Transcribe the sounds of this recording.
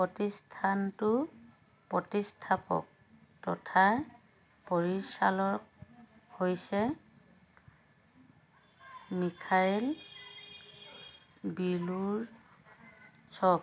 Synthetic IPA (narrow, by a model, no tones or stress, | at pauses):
pɔtistʰantʊ | pɹɔtistʰapɔ̰k̚ | tɔ̰tʰa | pɔɹisalɔk̚hojsɛ | mikʰajl | biluɹ | sɔk